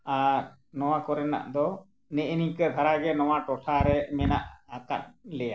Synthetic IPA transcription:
aɾ | nɔwakɔɾɛna̰ʔd̪ɔ | nɛʔnikəd̪ʱaɾaɡɛnɔwaʈɔʈʰaɾɛmɛna̰ʔaka̰t̪̚lɛja

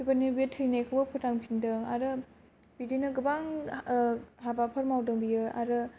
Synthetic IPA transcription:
bipanibijɯtʰɯjnajkʰɯwbɐpʰutaŋpʰindɯŋaɾɯ | b̥idinɯɡɯbaŋ | ɦabapʰɐɾmawdɯŋbijɯa̰ɾɯ

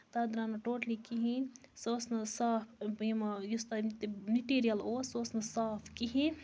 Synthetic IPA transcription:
t̪ad̪ɾaːnɐʈoːʈlikiɦĩ | soːsnɐsaːpʰimɐjust̪ɐt̪miʈiːɾijɐloːsoːsnɐsaːpʰkiɦĩ

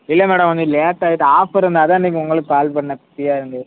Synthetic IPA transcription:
ɪlːɐmɛːɽɐmʋɐnd̪ɯleːʈːaːjɪt̪ːɯaːfɐɪɾɯnd̪aːt̪ãːniːŋkːɯʊŋɡɐɭɯkːɯkaːlpɐɳːɐpɐʈːɪjaːɪɾɯnɡ̪ɐ

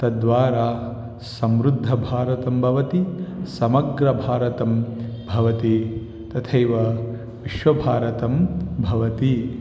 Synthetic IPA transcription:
t̪ɐd̪ʋaːɾaː | sɐmɾud̪ʱːɐbʱaːɾɐt̪ɐmbʱɐʋɐt̪isɐmɐɡɾɐbʱaːɾɐt̪ɐmbʱɐʋɐt̪i | t̪ɐt̪ʰɐjʋɐ | ʋiʃʋɐbʱaːɾɐt̪ɐmbʱɐʋɐt̪i

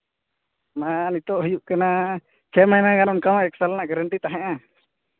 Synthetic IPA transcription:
manit̪ɔʔɦujuʔkana | t͡ʃʰɛmajmaɡanɔnkamaʔɛksalnaʔɡaɾəɳʈit̪aɦɛ̃ʔã

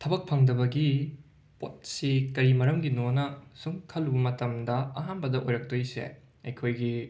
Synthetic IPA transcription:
tʰɐbɐk̚pʰɐŋdɐbɐɡi | pot̚sikɐɾimɐɾɐmɡinonɐsuŋkʰɐlːubɐmɐtɐmdɐɐɦanbɐdɐʔojɾɐk̚tojsḛ | ɐ̰jkʰojɡi

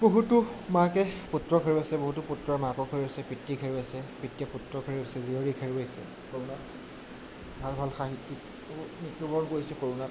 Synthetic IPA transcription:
boɦutʊmakɛputɹɔkʰeɹiasɛboɦutuputɹɔɛmakɔkʰeɹiasɛpɹitɹikʰeɹibasɛpitːiɛputɹɔkʰeɹubasɛzioɹikʰɛɹibajsɛ̰ | koɹuna | batbʱɔlxaɦitːik | nitːɔbɔɹɔnkoɹisɛkoɹunat

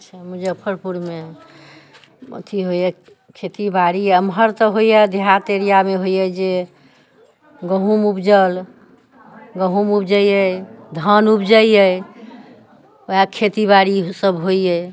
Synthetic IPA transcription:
t͡ʃʰɛmud͡ʒepʰəɾpuɾme | mə̰t̪ʰiɦojɛ | kʰet̪ibaɾiəmɦəɾt̪ɔɦojɛd̪ʱjat̪eɾijameɦoijɛd͡ʒe | ɡəɦumupd͡ʒəl | ɡəɦumupd͡ʒəjjəd̪ʱənupd͡ʒəjə | ojakʰet̪ibaɾisəbɦoijɛ

